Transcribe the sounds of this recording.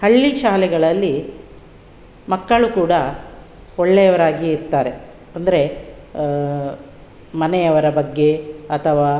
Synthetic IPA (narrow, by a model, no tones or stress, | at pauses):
hɐɭːiʃaːlɛɡɐɭɐlːi | mɐkːɐɭukuːɽɐ | oɭːejɐʋɐɾaːɡiːɾt̪aːɾe̞ | ɐnd̪ɐɾe̞ | mɐnɛjɐʋɐɾɐbɐɡːe̞ɐt̪ʰɐʋaː